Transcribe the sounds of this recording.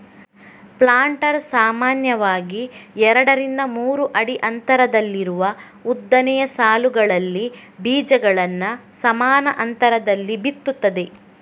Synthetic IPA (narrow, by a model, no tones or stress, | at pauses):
plaːɳʈɐɾsaːmaːnjɐʋaːɡiɛɾɐɽɐɾind̪ɐmuːɾuʔɐɽiʔɐnt̪ɐɾɐd̪ɐlːiɾuʋɐ | ud̪ːɐnɛjɐsaːluɡɐɭɐlːi | biːd͡ʒɐɡɐɭɐnːɐsɐmaːnɐʔɐnt̪ɐɾɐd̪ɐlːibit̪ːut̪ːɐd̪e̞